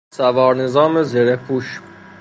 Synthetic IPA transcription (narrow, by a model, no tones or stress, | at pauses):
sævɒːɾnezɑːmezeɾekʰuʃ